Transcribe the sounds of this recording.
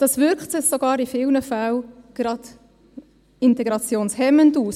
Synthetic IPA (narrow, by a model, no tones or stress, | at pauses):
d̥ɑsʋʏɾkχtsɪxsoɡɑːɾifɪlnəfalɡ̥ɾɑd̥ | ɪntɛɡɾɑt͡sjoːnshɛmənduːs